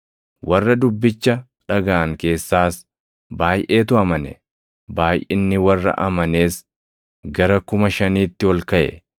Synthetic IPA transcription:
wɐrːɐd̪ʊbːɪt͡ʃːɐ | ᶑɐɡaːŋke̞ːsːaːs | baːjʔeːt̪ʊɐmɐnɛ̰ | baːjʔɪnːɪwɐrːɐ̰ʔɐmɐne̞ːs | ɡɐɾɐkʊmɐʃɐniːt̪ːɪwɔlkɐʔɛ̰

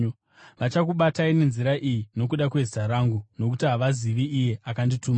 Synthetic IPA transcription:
ʋat͡ʃakuɓataine̞nziɾaʔijino̞k̬uɗakwe̞zi̥taɾaŋɡuno̞kutiɦaʋaziʋiːje̞akandituːma

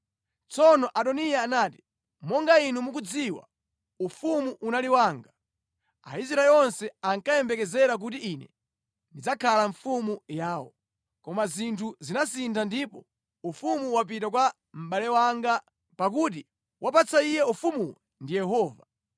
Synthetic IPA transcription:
t͡sɔnɔʔaɗɔnijaːnaːti̥ | mɔŋɡainumuk̬ud͡ziwa̰ | ufumuʔunaliwaːŋɡa | a̰is̬ɾaɛlɔnsɛaŋkajɛmbɛkɛzɛɾak̬ut̬iinɛ̰ | ndid͡zakʰalaɱfumujaːwɔ̰ | kɔmazintʰuzinasintʰandipɔ | ufumuwap̬itak̬wa | m̩ɓalɛwaŋɡa | pak̬ut̬i | wʔapat͡saijɛufumuwɛ | ndijɛɦɔːva

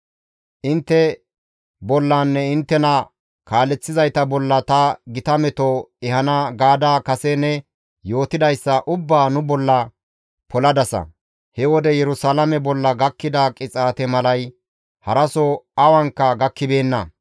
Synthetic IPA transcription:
ʔɪnt̪ːɛ | bɔlːaːnːɛɪnt̪ːɛnɐ | kaːlɛt͡sːɪzɐjt̪ɐbɔlːɐt̪ɐɡɪt̪ɐmɛt̪ɔɛhɐnaɡaːd̪aːkɐsɛnːɛ | jo̞ːt̪ɪd̪ɐjsːɐʔʊbːaːnʊbɔlːɐ | pɔlɐd̪ɐsɐ̰ | hɛwɔd̪ɛjɛɾʊsaːlɐmɛbɔlːɐɡɐkːɪd̪akʼɪt͡sʼaːt̪ɛmɐlɐj | hɐɾɐsɔɐwɐŋkːɐɡɐkːɪbe̞ːnːɐ

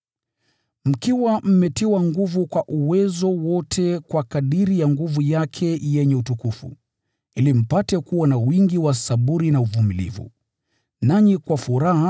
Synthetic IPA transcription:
m̩kiwam̩mɛtiwaŋɡuvukwaʔuwɛzɔwɔtʰɛkwakaɗiɾijaŋɡuvujakʰɛjɛɲɛutukufṵ | ilim̩patɛkuwanawiŋɡiwasaɓuɾinauvumilḭvṵ | naɲikwafuɾaɦa

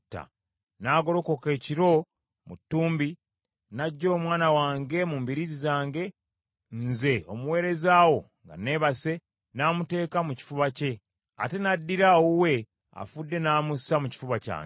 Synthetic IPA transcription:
tːa̰ | naːɡo̞lo̞ko̞ke̞ːciɾo̞ | mṵtːuːmbi | naɟːo̞ːmwaːnawaːŋɡe̞muːmbiɾizizaːŋɡe̞ | nze̞o̞muwe̞ːɾe̞zaːwo̞ | ŋɡa̰ne̞ːβase̞ | naːmute̞ːkamuci̥fuβace̞ | a̰te̞nadːiɾaowe̞ | a̰fudːe̞naːmusamuci̥fuβaca̰ːŋ

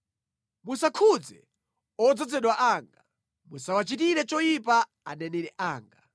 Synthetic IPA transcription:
musakʰud͡zɛ̰ | ɔd͡zɔd͡zɛɗwaʔaːŋɡa | musawat͡ʃit̬iɾɛt͡ʃɔjipa | anɛnɛɾɛʔaːŋɡa

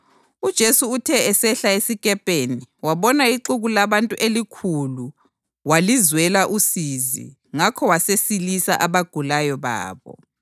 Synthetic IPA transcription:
ud̥ʒ̥ʱesuːtʰɛɛsɛɬaesikʼɛpʼeniwaβɔnaiǃuɣulaβantʼuʔelikʰulu | walizwɛlaʔusizḭ | ŋakʰɔwasesilisa̰ʔaβaɡ̥ʱulajɔβa̰ːβɔ̰

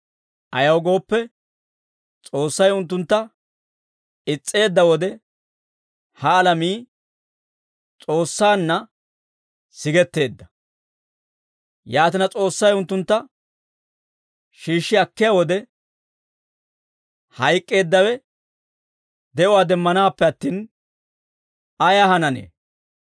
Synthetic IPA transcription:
ʔɐjɐwɡo̞ːpːɛ | t͡sʼo̞ːsːɐjʊnt̪̬ːʊnt̪ːɐ | ɪt͡sʼːe̞ːd̪ːɐwɔd̪ɛ | hɐːlɐmiː | t͡sʼo̞ːsːaːnːɐ | sɪɡɛt̪ːe̞ːd̪ːɐ | jaːt̪̬ɪnɐt͡sʼo̞ːsːɐjʊnt̪ːʊnt̪ːɐ | ʃiːʃːɪɐkːɪjawɔd̪ɛ | hɐjkʼːe̞ːd̪ːɐwɛ | d̪ɛʔʊwaːd̪ɛmːɐnaːpːɛɐt̪ːiːn | ɐjɐɦɐnɐnḛː

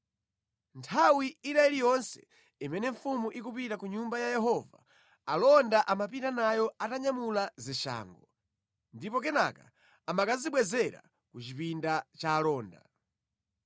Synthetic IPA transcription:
ntʰawiinaɛlijɔnsɛ̥̰ | imɛnɛɱfumuʔikupitakuɲumbajajɛɦɔva̰ | alɔndaʔamapintanajɔataɲamulaziʃa̰ːŋɡɔ | ndipɔkɛna̰ka | amakaziɓwɛzɛɾa̰ | kut͡ʃipindat͡ʃaːlɔːnda̰

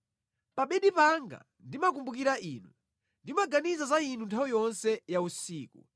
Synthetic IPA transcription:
paɓɛɗipaŋɡa̰ | ndimak̬umbuk̬iɾaʔiːnu | ndimaɡanizazain̤untʰawijɔnsɛjausiːku

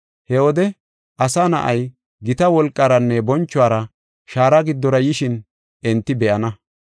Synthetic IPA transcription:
hɛwɔd̪ɛ | ʔɐsaːnɐ̰ʔɐj | ɡɪt̪ɐwɔlkʼːaːɾɐnːɛbɔnt͡ʃːʊaːɾɐ | ʃaːɾɐɡɪd̪ːɔɾɐjɪʃɪn | ɛnt̪ːɪbɛʔɐnɐ

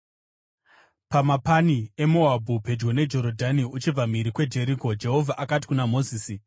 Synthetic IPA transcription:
pamapanie̞moabʱupe̞d͡ʒɡo̞ne̞d͡ʒo̞ɾodʱaniut͡ʃib͡vamiɾikwe̞d͡ʒe̞ɾiːko̞d͡ʒe̞ɦo̞vʱaʔakati̥kunamo̞ziːsi

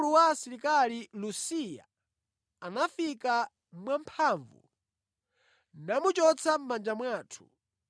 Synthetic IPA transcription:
luwaːsiɾikalilusija̰ː | nafika | mwampʰaːɱvṵ | namut͡ʃɔt͡sʰam̩mand͡ʒamwaːtʰu̥

